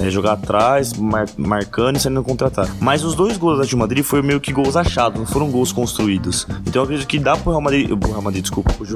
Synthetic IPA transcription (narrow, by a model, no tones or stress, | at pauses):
ɛʒoɡaat̪ɾajsmaɾmaɾkɐ̃nd̪ʊɪsaɾĩd̪ʊkõnt̪ɾat̪aɾmazʊzd̪ojzɡowzd̪ɐʒĩwmad̪ɾifojmejʊkɪɡowzaʃad̪ʊznɐ̃w̃foɾɐ̃w̃ɡowskõst̪ɾuid̪ʊsẽnt̪ɐ̃ɛkɾed͡ʒit̪ʊkɪd̪apʊɾheawmad̪ɾipʊheawmad̪ɾid͡ʒɪskupɐpʊʒ